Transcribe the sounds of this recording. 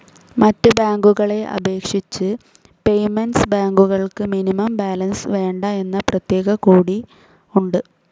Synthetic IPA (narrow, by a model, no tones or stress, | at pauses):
mɐtːɨbaːŋɡuɣɐɭe̞ʔɐ̰be̞ːkʂit͡ɕːɨ | pe̞jmɐnsbaːŋɡuɣɐɭkɨminimɐmbaːlɐnsʋe̞ːɳɖɐe̞nːɐprɐt̪je̞ːɣɐkuːɽi | uɳɖɨ